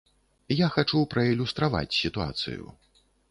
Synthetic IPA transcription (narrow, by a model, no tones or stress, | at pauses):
jaxat͡ʂupɾɐilʲust̪ɾava̰t͡sʲsʲit̪ua̰t̪sɨ̰jṵ